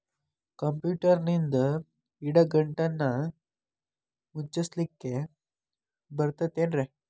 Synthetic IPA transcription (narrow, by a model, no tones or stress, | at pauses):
kəmpjuʈəɾnind̪ə | iɽaɡəɳʈanːa | mut͡ɕəslikːe | bəɾt̪ət̪enɾe